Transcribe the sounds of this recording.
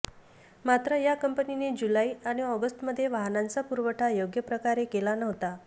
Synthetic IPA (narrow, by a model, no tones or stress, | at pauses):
mat̪ɾəjakəmpənined͡ʑulaiaɽ̃iɔɡəsʈməd̪ʱːjeʋaɦnant͡sapuɾʋəʈʰajoɡjəpɾəkaɾekelanəɦt̪a